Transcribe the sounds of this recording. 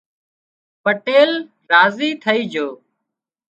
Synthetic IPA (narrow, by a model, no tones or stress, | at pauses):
pəʈeːl | ɾaːziːt̪ʰəiːd͡ʒoː